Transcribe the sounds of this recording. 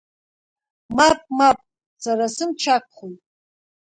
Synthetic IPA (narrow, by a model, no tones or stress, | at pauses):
mapʼmapʼ | saɾasɨmt͡ʃʰak̚ʷʰχujtʼ